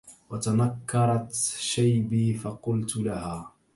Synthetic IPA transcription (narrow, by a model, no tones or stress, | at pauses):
wat̪anakʰːɑɾˤɑt̪ʃajbiːfɑqʊlt̪lahaː